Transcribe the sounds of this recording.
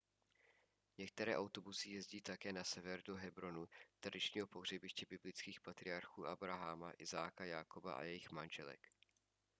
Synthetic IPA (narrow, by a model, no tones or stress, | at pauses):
ɲɛk̚t̪ɛɾɛːʔawt̪o̞busɪjɛzɟiːt̪akɛːnasɛvɛɾdoɦɛbɾo̞nut̪ɾadɪt͡ʃɲiːɦo̞po̞ɦr̝ɛbɪʃcɛbɪblɪt͡skiːxpat̪ɾɪaɾxuːʔabɾaɦamaʔɪzaːkajakoba̰ʔa̰jɛjɪxmanʒɛlɛ̰k